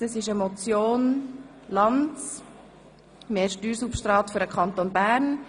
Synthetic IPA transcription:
əsɪʃəmɔt͡sjoːn | lɑnt͡s | meːɾʃtyːɾsupʃtɾɑːtfʏɾəkʰɑnt̪onbæːɾn

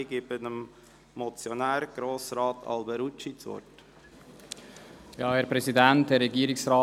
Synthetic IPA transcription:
ɡɪbənəm | mɔt͡sjonæːɾɡ̥ɾoːsɾɑːtʰɑ̰lbɛɾut͡ʃit͡svɔ̰t | jɑːhɛːɐɾpɾɛsidænthɛɾːɛɡiːɾɪksɾaː

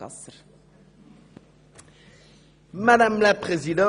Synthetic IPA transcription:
madamlapχezid̪ɑ̃

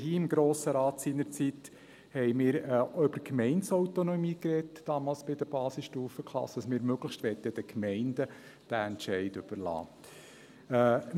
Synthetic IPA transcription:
hiːɪmɡɾoːsəɾɑːt̪siːnəɾt͡sit̪ | hɛɪmɪːɾøb̥əkmɛɪnsɔwt̪onɔmiːkɾɛtːɑːmɑːlsb̥ɪd̪əb̥ɑːsɪsʃtuːfəkʰlɑ̰sːəd̥ɑsmɪːɾmøɡ̥ləxʃtʋɛtːəd̥̪əkmɛɪndə | d̥æɛntʃɛɪdʏb̥əɾlɑ̰ː

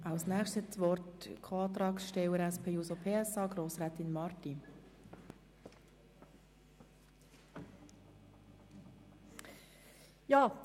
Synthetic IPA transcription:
ʔaʊsnæːχʃtɛt͡sʋɔrtkʰoɑːt̪ɾɑːksʃtɛwəɾɛspʰeːjuːsopʰeːɛsɑːɡɾoːsɾɛːt̪ɪnmɑrti | jɑː

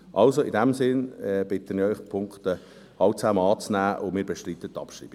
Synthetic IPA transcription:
ʔɑlsoɪdɛmsɪnɛb̥ɪtənɪɾœʏχpʰʊŋktə | hɑlt͡sæːmɑːt͡snæːʔʊmiːɾbɛʃtritətːɑ̰pʃrḭːb̥i̥

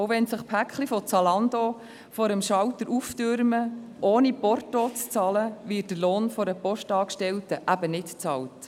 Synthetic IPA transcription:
owʋɛnsəχpʰækχlifɔt͡sɑlɑnd̪o | fɔɾəmʃɑwtəɾʔuftʏɾməʔoːnipɔrtot͡st͡sɑləʋɪːt̚d̥əloːnfɔɾəpɔʃtɑːkʃtɛltəʔæbənɪtt͡sɑlt

